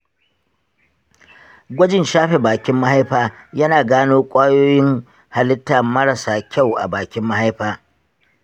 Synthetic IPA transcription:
ɡʷɐ˦d͡ʒɪ˨nʃaː˦ɸe˨baː˨kʲɪ˦mːa˦ha˦jɸaː˦jɐ˦naː˨ɡaː˦noː˦kʷʼaː˦joː˦jɪ˦ŋ | ha˨lɪ˦tːaː˨mɐ˦ɾɐ˨saː˨kʲa˦˨wʔa̰˨baː˨kʲɪ˦mːɐ˦ha˦jɸaː˦

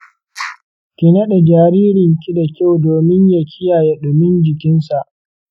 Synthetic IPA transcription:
kʲɪ˨nɐ˦ɗɛ˨d͡ʒaː˨ɾiː˦ɾɪ˨ŋkʲi˦da˨kʲa˦˨wdoː˨mɪ˦ɲja˨kʲʰɪ˦jaː˨je˦ɗʊ˨mɪ˦nd͡ʒɪ˨kʲɪ˦nsa˨ʔ

